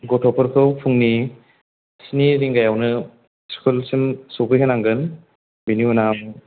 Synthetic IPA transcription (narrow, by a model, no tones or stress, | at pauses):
ɡɔtʰɔpʰɯɾkʰɯwpʰuŋni | siniɾiŋɡajawnɯ | skʰulsɯmsowpʰɯjɦʰɯnaŋɡɯn | biniwnam